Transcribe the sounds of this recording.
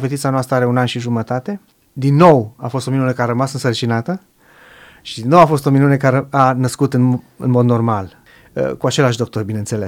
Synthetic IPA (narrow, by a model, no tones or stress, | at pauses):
fet̪it̪sanoast̪ɾəaɾeunanʃiʒumət̪at̪e̞ | d̪inːo̞wafo̞st̪o̞minunekaɾəmasɨnsərt͡ʃinat̪ə | ʃid̪inːo̞wafo̞st̪o̞minune̞kaɾeanəskut̪ɨn | ɨ̰nmo̞d̪no̞rmal | ə̰kuat͡ʃe̞laʃd̪o̞k̚t̪o̞rbine̞nt̪se̞les